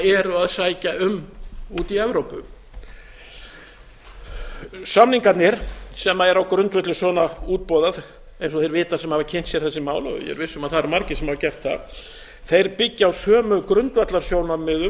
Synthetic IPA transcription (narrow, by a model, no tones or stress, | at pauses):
ɛɾʏaðsaːjcaʏmuːt̪iɛvɾowpʏ̰ | samniŋkat̪nɪɾ̥sɛmaɛɾawkɾʏnt̪vɛt̪lʏsɔːnauːt̪̚pɔːðað | ejnsɔθejɾvɪːt̪ḁsɛmhavacʰɪn̥t̪sjɛɾ̥θɛsːɪmaːwlɔ̰jɛ̰ɾvɪsːʏmaðθaɾmaɾcɪsɛmhavaɾcɛr̥t̪θa̰ | θejɾpɪcːɪawsœːmʏkɾʏnt̪vɛt̪laɾ̥sjoːwnamɪðʏ